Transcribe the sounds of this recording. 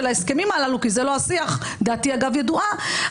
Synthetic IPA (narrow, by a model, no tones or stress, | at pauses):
elaeske̞mimalalukizelo̞asiaχ | d̪aːt̪iaɡavjed̪uʔa